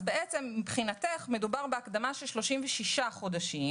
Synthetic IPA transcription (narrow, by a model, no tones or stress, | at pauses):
beʔet͡se̞mːipχinateχme̞dubaʁbeakd̪amaʃelʃlo̞ʃimveʃiʃaχo̞daʃim